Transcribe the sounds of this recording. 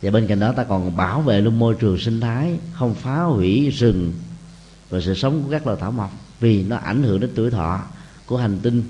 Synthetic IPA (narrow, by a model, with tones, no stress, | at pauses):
jaː˨˩ɓe˧nka̰˧˨jŋ̟ɗɔ˨˦t̪aː˧kɔ˨˩nɓaː˧˩wvḛ˧˨lu˧əŋmo˧jt͡ɕɨ˨˩əŋsï˧ŋ̟t̪ʰaː˨˦jxə˧wŋ͡mfaː˨˦hwi˧˩zɨ˨˩ŋ | vaː˨˩sɨ̰˧˨sə˨˦wŋ͡mku˧˩əkaː˦˥k̚lə̰˧˨˩t̪aː˧˩wma˨˩wk͡p̚ | vi˨˩nɔ˨˦ʔa̰˧˩jŋ̟hɨ̰˧˥əŋɗe˨˦nt̪u˧˩əjt̪ʰɔ̰˧˨ | ku˧˩əha˨˩ŋ̟t̪i˧n